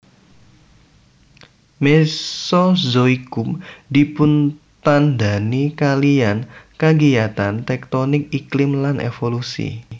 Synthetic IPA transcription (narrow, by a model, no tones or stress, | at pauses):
mesɔzoikʊmd̪ipʊn | t̪and̪a̤nikaliankaɡiat̪ant̪ɛk̚t̪onɪk̚iklɪmlanʔḛfolusḭ